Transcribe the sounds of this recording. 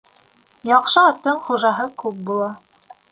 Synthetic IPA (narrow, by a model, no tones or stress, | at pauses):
jɑqʃɤɑt̪ːɤɴχuʒɑɦɤkʉp̚bulˠɑ